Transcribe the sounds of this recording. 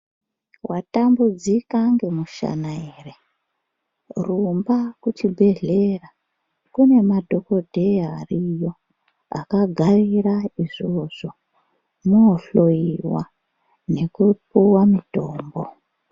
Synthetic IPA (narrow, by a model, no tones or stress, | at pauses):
watambud͡zikaŋɡe̞muʃa̰naere | rumbakutʰibʱe̞ɮe̞ra | kune̞madʱo̞ko̞dʱe̞arijo̞ | a̰kaɡʱariraiʐoʐ̥o̞ | muːɬoiwa̰ | ne̞kup̚uwamitoːmbo